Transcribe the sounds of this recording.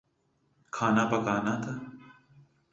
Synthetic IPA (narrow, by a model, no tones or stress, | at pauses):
kʰaːnapəkaːnat̪ʰaː